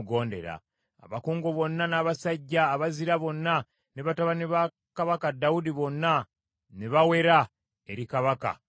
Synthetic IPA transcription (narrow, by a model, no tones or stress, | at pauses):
ɡo̞ːnde̞̰ɾa̰ | a̰βakoːŋɡo̞βo̞nːanaːβasaɟːaːβaziɾaβo̞nːa | ne̞βataβaneβa | kaβakadawudiβo̞nːa | neβawe̞ɾa | e̞ɾikaβaka̰